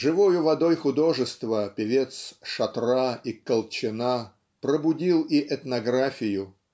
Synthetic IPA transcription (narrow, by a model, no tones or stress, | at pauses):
ʐɨvojʊvɐd̪ojxʊd̪o̞ʐɨst̪vəpʲɪvʲe̞t̪sʂɐt̪raikəlˠt͡ɕɪna | pɾəbʊdʲilˠiʔɛt̪nɐɡɾafʲɪjʊ